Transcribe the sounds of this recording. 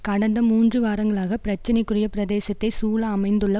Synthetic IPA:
kɐɽɐnd̪ɐmuːndrɯʋaːɾɐŋɡɐɭaːɣɐpɪɾɐt͡ʃːɪnɐɪkːɯrɪjɐpɪɾɐðeːsɐt̪ːɐɪsuːlɐːmɐɪnd̪ɯɭːɐ

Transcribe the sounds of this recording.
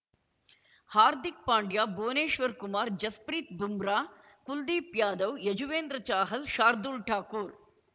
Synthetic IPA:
haːɾd̪ik̚paːɳɖjaːboːneːʃʋɐɾkumaːɾd͡ʒɐspɾiːt̪̚bumɾaː | kuld̪iːpjaːd̪ɐʋjɐd͡ʒuʋeːnd̪ɾɐt͡ʃaːɦɐlʃaːɾd̪ulʈʰaːkuːɾ

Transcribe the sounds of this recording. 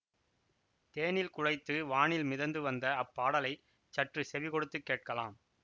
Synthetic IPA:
t̪eːnɪlkʊɻɐɪt̪ːɯʋaːɳɪlmɪðɐnd̪ɯʋɐnd̪ɐːpːaːɽɐlɐɪ | t͡ʃɐʈrɯsɛʋɪkɔɽɯt̪ːɯkːeːʈ̚kɐla̰ːm

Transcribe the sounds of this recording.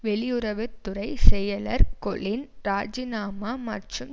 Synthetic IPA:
ʋɛɭɪjʊɾɐʋɪɾt̪ʊɾɐɪsɛjːɐlɐɾkɔlɪnɾaːd͡ʒɪnaːmaːmɐ̰ʈrɯm

